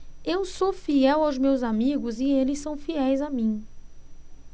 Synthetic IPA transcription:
ewsofiɛwawzmewzamiɡʊzɪelɪsːɐ̃w̃fiɛjzamĩ

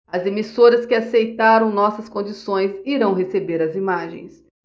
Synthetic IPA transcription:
ɐzemisoɾɐskɪasejt̪aɾɐ̃w̃nɔsɐskõd͡ʒisõj̃ziɾɐ̃w̃ɦesebeɾɐzimaʒḛ̃j̃s

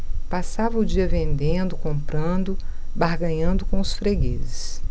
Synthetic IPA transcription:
pasavɐʊd͡ʒiɐvẽnd̪ẽnd̪ʊkõmpɾɐ̃nd̪ʊ | baɦɡɐ̃ɲɐ̃nd̪ʊkõʊsfɾeɡizɪs

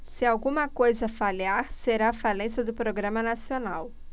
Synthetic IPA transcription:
sɪawɡũmɐkojzɐfaliaɾseɾaːfalẽsɐd̪ʊpɾoɡɾɐ̃mɐnasionaw

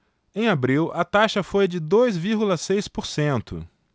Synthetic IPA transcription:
ẽj̃abɾiwʔɐt̪aʃɐfojd͡ʒɪd̪ojzviɾɡulɐsejspoɾsẽnt̪ʊ̰

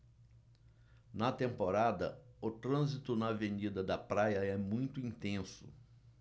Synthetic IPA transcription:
nɐt̪ẽmpoɾad̪ɐ̰ʊt̪ɾɐ̃zit̪ʊnɐvẽnid̪ɐd̪ɐpɾajɐɛmũj̃t̪ʊĩt̪ẽsʊ̰

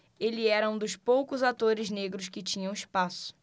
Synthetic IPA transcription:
elɪɛɾɐũd̪ʊspowkʊzat̪oɾɪzneɡɾʊskɪt͡ʃĩɲɐ̃w̃ispasʊ̥

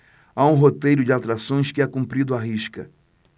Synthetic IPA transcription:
aũɦot̪ejɾʊd͡ʒɪawt̪ɾasõj̃skɪɛkũmpɾid̪ʊaɦiʃkɐ̰

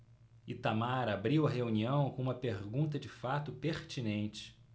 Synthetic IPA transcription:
ɪt̪amaɾabɾiwɐɦeuniɐ̃w̃kõũmɐpeɾɡũnt̪̬ɐd͡ʒɪfat̪ʊpeɾt͡ʃinẽnt͡ʃɪ̥

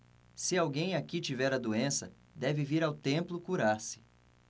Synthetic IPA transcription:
sɪawɡẽj̃akit͡ʃivɛɾɐd̪uẽsɐ̰ | d̪ɛvɪviɾawt̪ẽmplʊkuɾaɾsɪ̥

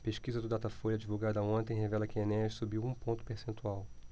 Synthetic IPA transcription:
peʃkizɐd̪ʊd̪at̪ɐfoʎɐd͡ʒivuɡad̪ɐõnt̪ẽj̃ɦevɛlɐkɪẽnɛʃsubiwũpõnt̪ʊ̥peɾsẽnt̪uaw

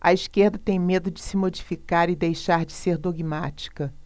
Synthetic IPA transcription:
ɐiskeɾd̪ɐt̪ẽj̃med̪ʊd͡ʒɪsɪmod͡ʒifikaɾɪd̪ejʃaɾd͡ʒɪseɾd̪oɡimat͡ʃi̥kɐ

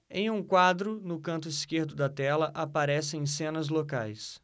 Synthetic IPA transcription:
ẽj̃ũkwad̪ɾʊnʊkɐ̃nt̪̬ʊiskeɾd̪ʊd̪ɐt̪ɛlɐʔapaɾɛsɪẽj̃sẽnɐzlokajs

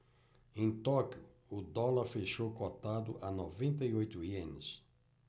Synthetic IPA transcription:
ẽj̃t̪ɔkjʊ | ʊd̪ɔlɐɾfeʃokot̪ad̪ʊ̰ʔɐnɔvẽnt̪ɐiojt̪ʊiẽnɪs

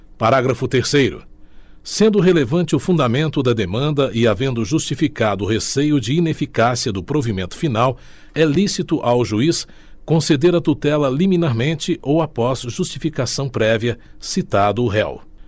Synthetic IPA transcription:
paɾaɡɾɐfʊt̪eɾsejɾʊ̰ | sẽnd̪ʊɦelevɐ̃t͡ʃɪʊfũnd̪amẽnt̪ʊd̪ɐd̪emɐ̃nd̪ɐʔɪavẽnd̪ʊʒust͡ʃifikad̪ʊːhesejʊd͡ʒɪinefikasiɐd̪ʊpɾovimẽnt̪ʊ̥finaw | ɛlisit̪ʊʔawʒuis | kõsed̪eɾɐt̪ut̪ɛlɐlimĩnaɾmẽnt͡ʃɪʔowapɔz̥ʒust͡ʃifikasɐ̃w̃pɾɛviɐsit̪ad̪ʊɦɛ̰w

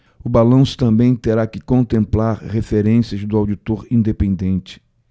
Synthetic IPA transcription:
ʊbalɐ̃w̃sʊ̥t̪ɐ̃mbẽj̃t̪eɾakɪkõnt̪ẽmplaɾhefeɾẽsiɐzd̪ʊawd͡ʒit̪oɾĩnd̪epẽnd̪ẽnt͡ʃɪ̥

